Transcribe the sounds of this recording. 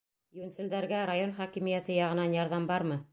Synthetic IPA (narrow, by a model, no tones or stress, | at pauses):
junsʲɘ̆ld̪æɾɡæɾajo̞nχɑkimijæt̪ɘjɑʁɤ̆nɑnjɑɾðɑmbɑɾmɤ